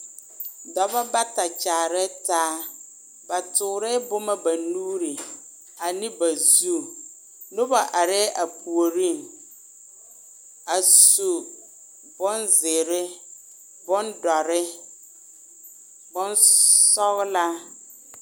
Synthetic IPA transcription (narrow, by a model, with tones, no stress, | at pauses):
dɔ˨ba˦ba˦ta˨t͡ʃaː˨ɾɪ˦tʰaː˦ | ba˨tʰʊ˨ɾɪ˦bʊ˦mã˦ba˨nuː˦ɾɪ˨ | a˨nɪ̃˦ba˨zu˦˨ | nʊ̃˦ba˨ʔa˨ɾɪ˦ʔa˨pu˨o˨ɾi˦˨m | a˨su˨ | bɔ̃˦nzɪ˨ɾɪ˦ | bɔ˦ndɔ˨ɾɪ˦ | bʊ̃˦nsɔ˦ɣla˦